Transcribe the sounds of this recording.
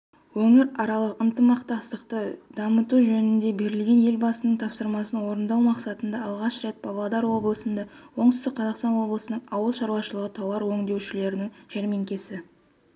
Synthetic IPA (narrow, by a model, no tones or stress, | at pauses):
wɵŋɪɾɑɾɑlˠəqənt̪əmɑqt̪ɑst̪əqt̪əd̪ɑmət̪uʒɵnɪnd̪e̞be̞ɾɪlɡʲe̞nje̞lʲbɑsənəɴt̪ʰɑpsəɾmɑsənwo̞ɾənd̪ɑwmɑqsɑt̪ənd̪ɑɑlˠʁɑʃɾet̪̚bɑb̪ˠɑd̪ɑɾwo̞blˠəsənd̪ɑwo̞ɴt̪ʏ̥st̪ɪk̚qʰɑzɑqst̪ɑnwo̞blˠəsənəɴɑwəlˠʃɑɾwɑʃəlˠəʁət̪ʰɑwɑɾwɵŋd̪e̞wʃɪle̞ɾɪnɪŋʒ̥eɾme̞ŋkʲe̞sɪ